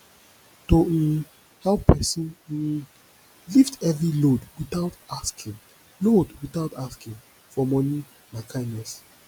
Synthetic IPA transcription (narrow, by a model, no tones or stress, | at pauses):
to | hawpʰɛsɔ̃n̩ | liftʰɛvɹilodwitaʊtaskʰĩŋ | lodwiθawtaskĩŋ | fɔmɔni | mãkʰãɪ̃nɛs